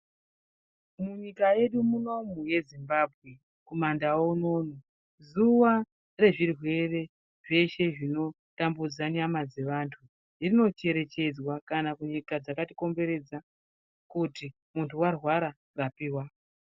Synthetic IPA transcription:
muɲikaje̞ɗumuno̞muje̞zimbaːbʱɣe | komandawouno̞ːno | zuʋa | re̞ʐirwe̞re̞ | ʐe̞ʃe̞ʐino̞ | tambud͡zaɲamad͡ze̞ʋantʰu | ʐirino̞t͡ʃe̞ɾe̞t͡ʃe̞d͡zwakanakuɲikad͡zakatiko̞mbe̞ɾe̞d͡za | kuti | muntʰuwarwaɾa | rapiːwa

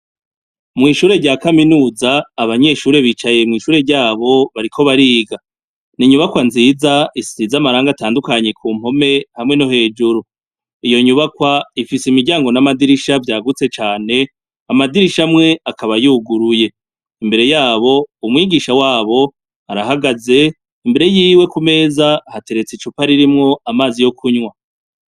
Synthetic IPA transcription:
mŋiːʃuːɾe̞ɾɟaːkaminuːzaːβaɲe̞ʃuːɾe̞βiːt͡ʃaje̞mŋiːʃuːɾe̞ɾɟaːβo̞βaɾikʰo̞βaɾiːɡa | niɲuβakwanziːzaisizamaɾaːŋɡataːndukaɲe̞kʰuːm̥ho̞me̞hamŋe̞no̞ɦe̞ːd͡ʒuɾu | ijo̞ɲuβakwaifisimiɡɟaːŋɡo̞namadiɾiʃavjaːɡut͡se̞t͡ʃaːne̞ | amadiɾiʃamŋe̞akaβajuːɡuɾuje̞ | imbe̞ɾe̞jaːβo̞umŋiːɡiʃawaːβo̞ | aɾaɦaɡaze̞ | imbe̞ɾe̞jiːwe̞kume̞ːzahate̞ɾe̞t͡sit͡ʃupaɾiɾimŋo̞amaːzijo̞kʰuɲwa

